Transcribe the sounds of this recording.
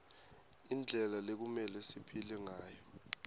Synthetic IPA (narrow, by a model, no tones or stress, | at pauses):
ind͡ɮʱɛlalek̬umɛlɛsipʰilɛŋaːjɔ